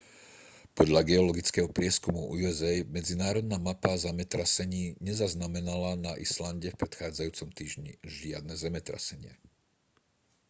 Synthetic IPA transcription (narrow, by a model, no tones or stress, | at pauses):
pɔd̪ʎaɡɛɔlɔɡit͡skɛɦɔpɾɪɛskumuuɛzɛjmɛd͡zinaːɾɔd̪̚naːmapazɛmɛt̪ɾasɛɲiːɲɛzaznamɛnalanaʔislanɟɛfpɾɛt̪xaːd͡zajuːt͡sɔmt̪iːʒɲḭʒɪa̰d̪̚nɛzɛmɛt̪ɾa̰sɛɲɪɛ̰